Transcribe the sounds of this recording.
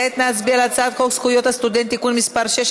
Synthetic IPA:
et̪nasbialat͡sat̪kʰokskujot̪ast̪ud̪ent̪ikunmispaɾʃeʃ

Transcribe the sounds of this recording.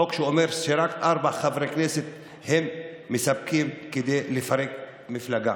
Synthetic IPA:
okʃuomeɾʃeɾakʔaɾbaχavɾekneset̪̚ | hemːesab̚kimked̪ejlefaɾek | miflaɡa

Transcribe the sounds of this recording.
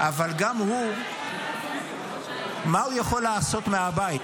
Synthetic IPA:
ʔavalɡamhu | maujaχo̞lːaːso̞t̪meabaji

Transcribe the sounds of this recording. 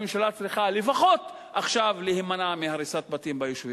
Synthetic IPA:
emʃalat͡sʁiχalefaχo̞t̪ | aχʃavlehimanamehaɾisat̪̚batimbajoʃvi

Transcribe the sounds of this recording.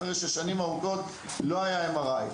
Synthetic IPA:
eʁeʃeʃanimauɡo̞t̪ | lo̞ajaemaʁaj

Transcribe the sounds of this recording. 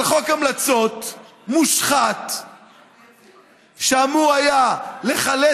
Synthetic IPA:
lχokamlat͡so̞t̪ | muʃχat̪ | ʃamuajale̞χale

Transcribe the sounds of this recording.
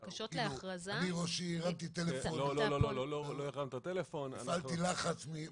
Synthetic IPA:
kaʃotklauʁazaliʁoʃiːʁamt̪it̪elefonolloololojeχamt̪at̪elefonafalt̪ilaχat͡smi

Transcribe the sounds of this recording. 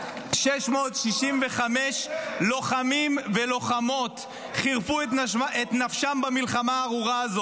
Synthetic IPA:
ʃeʃmo̞ːtʃiʃimveχameʃlo̞χamimvelo̞χamo̞t̪ | χiʁfuetaʔet̪nafʃambamilχamaːʁuʁaːzo

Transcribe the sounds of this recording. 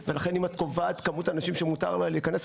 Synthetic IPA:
ve̞laχe̞nimat̪ko̞vat̪kamutanaʃimʃemuta̰ʁlaleikanes

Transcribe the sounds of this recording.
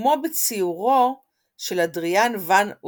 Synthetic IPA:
mo̞bet͡siuʁo | ʃe̞ladʁijanvan

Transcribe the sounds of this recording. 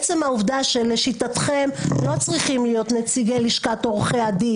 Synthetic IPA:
t͡se̞mhauvd̪aʃeleʃitatχe̞mlo̞t͡sʁiχimlijo̞t̪net͡siɡeliʃkat̪oʁχeadi

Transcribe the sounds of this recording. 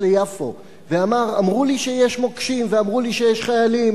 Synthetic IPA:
lejafo̞̰ | veamaʁamʁuliʃejeʃmokʃimveamʁuliʃejeʃχajalim

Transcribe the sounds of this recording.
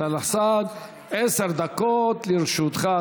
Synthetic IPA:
alasad̪ | eseɾd̪akot̪liɾʃut̪χa

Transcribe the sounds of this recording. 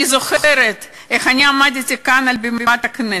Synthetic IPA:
izoχeɾet̪ | exanʲiamad̪et̪ʲikanalʲbemat̪akne

